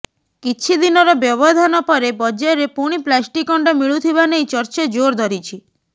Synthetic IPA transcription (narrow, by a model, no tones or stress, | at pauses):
kit͡ʃʰid̪inɔɾɔbjɔβɔd̪ʱanɔpɔɾebɔd͡ʒɔɾepuɽ̃iplasʈikɔɳɖɔmiɭut̪ʰibanejt͡ʃɔɾt͡ʃed͡ʒoɾd̪ʱɔɾit͡ʃʰi